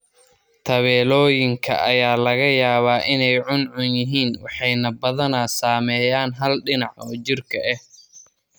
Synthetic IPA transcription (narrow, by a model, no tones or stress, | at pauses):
t̪ʰɐβɛːlɔːjɪŋkʰɐ̰ʔɐjaːlɐɣɐjaːβaːʔɪnɛjʕʊnʕʊnjɪɦiːnwɑħɑjnɐbɐðɐnaːsaːmɛːjaːnɦɐlɖɪnɑʕɔːt͡ʃɪrkʰɐʔɛh